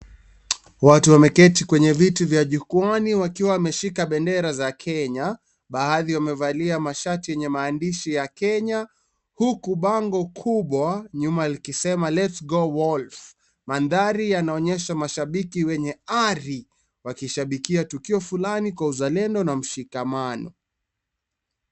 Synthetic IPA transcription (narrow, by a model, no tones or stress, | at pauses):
watuwamɛkɛtikwɛɲɛvitivjaʄukuaniwakiwaːmɛʃikaɓɛndɛɾazakʰɛɲa | ɓaaðiwamɛvaliamaʃatijɛɲɛmaːndiʃijakɛɲa | hukuɓaŋɡɔkʰuɓwaɲumalikisɛmalɛtsɡɔwɔlf | manðaɾijanaɔɲɛʃamaʃaɓikiwɛɲɛaɾi | wakiʃaɓikiatukiɔfulanikwauzalɛndɔnam̩ʃikamanɔ̰